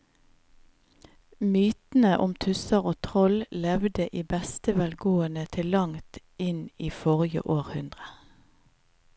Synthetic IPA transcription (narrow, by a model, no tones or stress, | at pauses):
myːt̪n̩əʔʊmt̪ʰʉsəʁoːt̪ʰʁɔllɛʋd̪əʔiːbɛst̪əʋælɡoːənət̪ʰɪllɑŋt̪ | ɪniːfɔʁjə̰ʔoːʁhʉnd̪ʁə